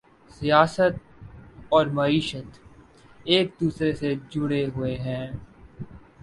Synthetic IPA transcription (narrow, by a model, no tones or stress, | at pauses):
sijaːsət̪̚ | ɔːɾmɐiːʃət̪ | eːk̚d̪uːsɾesed͡ʒʊɽeɦʊeɦɛ̃ː